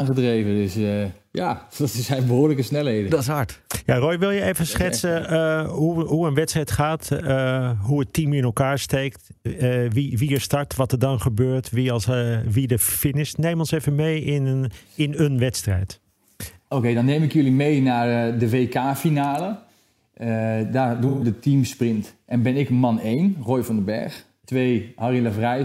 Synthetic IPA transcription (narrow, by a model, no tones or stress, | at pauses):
anχədrejvədəsjadɔtɪsɛjnbəɦoːɹləkəsnɛlɦeːdədɔtɪshɑɹtjaroːjʋɪlˠjəeːvənsχɛsəɦuɦuənʋɛtstrɛjtχaːt | ɦuətimɪnɛlˠkaːɹsteːktʋiʋiəɹstɑɹtʋɑtəɹdɑnχəbøːɹtʰʋisʋidəfɪnɪsnejmɔnsefənmejɪnɪnənʋɛtstrɛ̰jt | okeːdɔnːeːmɪkjølimejnaːrdəʋeːkaːfinaːlə | daːrdudətimsprɪntʔɛnbɪnɪkmɑnejnroːjfɔndəbɛ̰ɹx | tʋeːhariləvrɛj